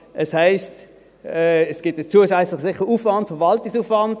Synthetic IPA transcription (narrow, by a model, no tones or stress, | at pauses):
ʔɛshaɪst | ɛːɛsɡ̥ɪt̚ːət͡suːəsæt͡slɪχsɪχəuːfvɑntfɛɐvɑltɪksuːfvɑnd